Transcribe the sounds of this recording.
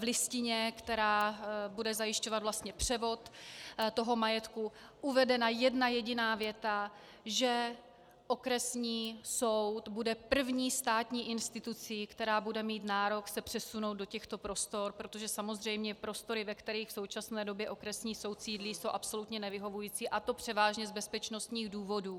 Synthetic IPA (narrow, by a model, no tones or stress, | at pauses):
vlɪscɪɲɛkt̪ɛɾaːbudɛzajɪʃco̞vat̪vlast̪ɲɛpr̝̥ɛvo̞t̪t̪o̞ɦo̞majɛt̪kuʔuvɛdɛnajɛdnajɛɟɪnaːvjɛt̪a | ʒɛ | ʔo̞kɾɛsɲiːso̞wt̪budɛpr̩vɲiːst̪aːt̪ɲiːʔɪnst̪ɪt̪ut͡sikt̪ɛɾaːbudɛmiːt̪naːɾo̞ksɛpr̝̥ɛsunowtd̪docɛxt̪o̞pɾo̞st̪o̞ɾpɾot̪o̞ʒɛsamo̞zr̝ɛjmɲɛpɾo̞st̪o̞ɾɪvɛkt̪ɛɾiːxfso̞wt͡ʃasnɛːdo̞bjɛʔo̞kɾɛsɲiːso̞wt̪siːdliːso̞wʔapso̞lut̪ɲɛnɛvɪɦo̞vujiːt͡siːʔat̪o̞pr̝̥ɛvaːʒɲɛzbɛspɛt͡ʃno̞st̪ɲiːɣduːvo̞duː